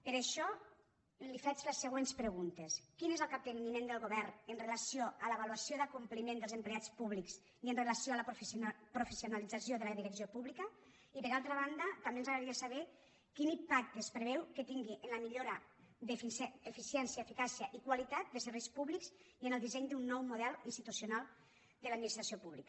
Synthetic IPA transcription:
pəɾeʃɔ | lifɛd͡ʒlesːəɣ̞wenspɾəɣunt̪eskinezəlˠkap̚d̪eminimẽnd̪əlˠɣoβɛɾnənrelasioʔələβaluasjoðakumplimẽnd̪əlˠzəmpleat͡spuβliks | iənrelasioaləpfpɾufesiunalid͡zasjoðələðiɾəksiopuβlikə | ipəɾalˠt̪ɾəβ̞and̪ət̪ambenzaɣɾaɾiasaβɛ | kinimpak̚t̪əespɾeβɛwket̪iŋɡiʔenləmiʎoɾa | d̪efefisjɛnsiaefikasiaʔikwalit̪at̪̚d̪əsəɾβejspuβliksiənəlˠd̪izɛɲd̪unːɔwmuðɛlˠinst̪it̪usjunalˠ | d̪əlad̪minist̪ɾasiopuβlikə

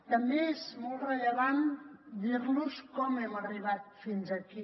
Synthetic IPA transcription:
t̪əmbeɛzmɔlˠreʎəβand̪iɾnuskɔmɛməriβat̪̚finzəki

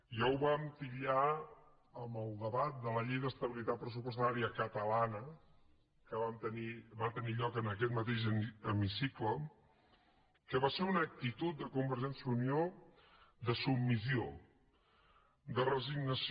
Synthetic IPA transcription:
ʒawβamt̪iʎa | əməlˠd̪əβat̪̚d̪ələʎejðəst̪əβilit̪at̪̚pɾəsupust̪aɾiəkət̪əlanə | kəβamt̪əniβat̪əniʎɔkənəkɛt̪̚mət̪eʒəəmisiklə | kəβaseunək̚t̪it̪ut̪̚d̪əkumbəɾʒɛnsjəunio | d̪əsubmːizio | d̪ərəziɡnəs

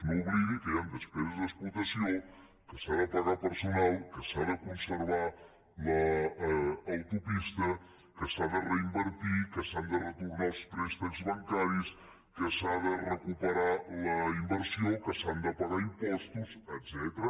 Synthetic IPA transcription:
nuβliɣikəjand̪əspɾezəzðəsplut̪əsio | kəsaðəpəɣapəɾsunalˠkəsaðəkunsəɾβa | ləː | wt̪upist̪ə | kəsaðərəimbəɾt̪ikəsand̪ərət̪uɾnalˠst̪ɾɛst̪ɛzβəŋkaɾis | kəsaðərəkupəɾaləimbəɾsiokəsand̪əpaɣaimpɔst̪uzət̪z̥ɛt̪ɾə

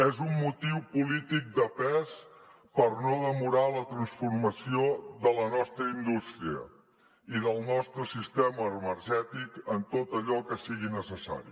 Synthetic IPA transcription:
ezumːut̪iwpulit̪ik̚d̪əpɛs | pəɾnoðəmuɾalət̪ɾənsfurməsioðələnɔst̪ɾəind̪ust̪ɾiə̰ | iðəlˠnɔst̪ɾəsist̪eməːmərʒɛt̪ikənt̪ot̪əʎɔkəsiɣinəsəsa̰ɾḭ

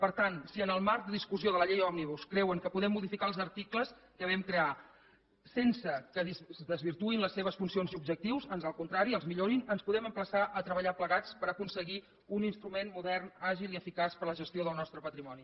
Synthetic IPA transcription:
pəɾt̪ansiənəlˠmaɾk̚d̪əðiskuzioðələʎejɔbniβ̞uskɾɛwəŋkəpuðɛmːuðifikalˠzəɾt̪ikləs | kəβ̞ɛmkɾea | sensəkəðiðəzβiɾt̪uinləsːeβ̞əsfunsionziub̚ʒək̚t̪iwzənzəlˠkunt̪ɾaɾiəlˠzmiʎoɾinənspuðɛməmpləsaʔət̪ɾəβəʎapləɣat͡spəɾəkunsəɣi | uninst̪ɾumenmuðɛrnaʒilˠiəfikaspəɾləʒəst̪ijoðəlˠnɔst̪ɾəpət̪ɾimɔni

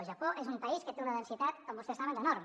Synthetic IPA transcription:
ʒapoʔezumpaiskət̪eunaðensit̪at̪kombust̪esaβend̪ənɔɾm

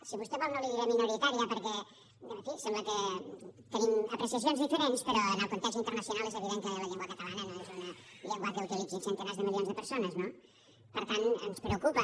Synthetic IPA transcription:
siβust̪ɛβɔlnoβiiɾəminuɾit̪aɾiəpəɾkɛ | əfisɛmbləkət̪əniməpɾəsiɐs̬ionzðifəɾenspəɾɔənəlˠkunt̪ɛsint̪əɾrnəsjunalˠezəβiðeŋkələʎeŋɡwakat̪alənɛnaezunəʎeŋɡakəuwt̪ilid͡zinsent̪enezðəmilionzðəpəɾsonəzno | pəɾt̪anə̰nspɾeukupə

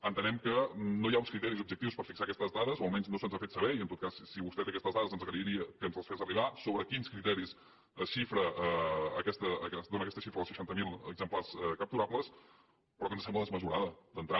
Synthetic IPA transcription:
ənt̪ənɛmkənojaunskɾit̪ɛɾizub̚ʒək̚t̪iwspəɾfiksaːkɛst̪əzðaðəzoəlˠmɛɲznosənzafet̪səβɛiənt̪ot̪̚kassiβust̪ɛt̪eəkɛst̪əzðaðəzənzəɣɾəiɾiəkənzəlˠsfezəriβasoβɾəkinskɾit̪ɛɾis | əʃifɾəʔəːkɛst̪əːkɛd̪onəkɛst̪əʃifɾəːlˠsʃə̥ʃant̪əmilˠəɡzəmplaɾsɛkəp̚t̪uɾapləs | pɾɔkənzəsɛmbləðəzməzuɾaðəd̪ənt̪ɾa

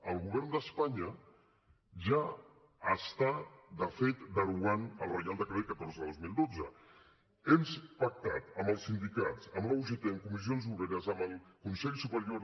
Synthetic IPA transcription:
əlˠɣuβɛɾnd̪əspaɲə | ʒa | əst̪ad̪əfet̪d̪əɾuanəlˠrəjalˠd̪əkəɾekət̪oɾzəðozmilˠd̪od͡zə | emspak̚t̪at̪əməlˠsːind̪ikatt͡səmləuʒet̪eəŋkumiz̬ionzuβeɾəzəməlˠkunsɛʎsupəɾjoɾ

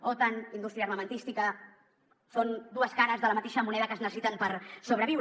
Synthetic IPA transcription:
ot̪anind̪ust̪ɾiəːrməmənt̪ist̪ikə | sond̪uəskaɾəzðələmɐt̪eʃəmunɛðəkəznəsəsit̪əmpəɾsoβ̞ɾəβiw

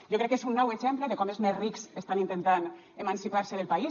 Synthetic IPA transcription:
ʒokɾɛkːesunːɔweʃempleðekɔmezmezriksest̪anint̪ent̪an | emansipaɾseðelpai

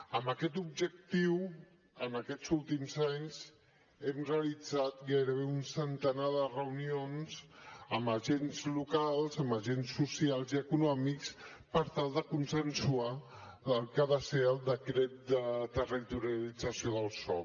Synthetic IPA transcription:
əmbəkɛt̪̬ub̚ʒək̚t̪iw | ənəkɛt͡sulˠt̪imzaɲz | ɛmreəlid͡zat̪ɣajɾəβeunsənt̪ənaðərəunionz̥əmbəʒenzlukalˠzəmbəʒensːusialˠziəkunɔmiks | pəɾt̪alˠd̪əkunsənsua | əlˠkəβaseəlˠd̪əkɾɛt̪̚d̪ət̪ərit̪uɾialid͡zəsioðəlˠsɔ̰

